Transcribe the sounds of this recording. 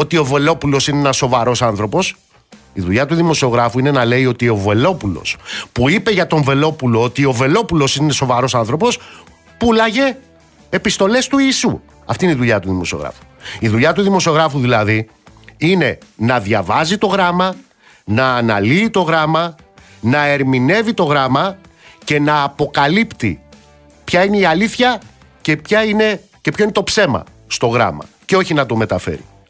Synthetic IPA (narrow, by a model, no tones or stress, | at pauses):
o̞t̪io̞ve̞lo̞pulo̞sineenɐso̞vɐɾo̞sɐnθɾo̞po̞s | iðuʎɐt̪uðimo̞sio̞ɣɾɐfuine̞nɐle̞io̞t̪io̞ve̞lo̞pulo̞̰spuipe̞ʝɐt̪o̞ɱve̞lo̞pulo̞ot̪io̞ve̞lo̞pulo̞sineso̞vɐɾo̞sɐnθɾo̞po̞s | pulɐʝe̞ː | pist̪o̞le̞st̪uiːsu | ɐft̪ineiðuʎɐt̪uðimo̞sio̞̰ɣɾɐ̰fu̥iðuʎɐt̪uðimo̞sio̞ɣɾɐfuðilɐði | ine̞nɐðʝɐvɐzit̪o̞ɣɾɐmɐ | nɐːnɐ̰liːt̪o̞ɣɾɐmɐ | nɐe̞ɾmine̞vit̪o̞ɣɾɐmɐ | ce̞nɐːpo̞kɐlipt̪ḭ | pçɐine̞iɐliθçɐ | ce̞pçɐine̞ | cepço̞inet̪opse̞mɐ̰ | st̪o̞ɣɾɐ̰mɐ̰ | ceo̞çinɐt̪o̞me̞t̪ɐfe̞̰ɾḭ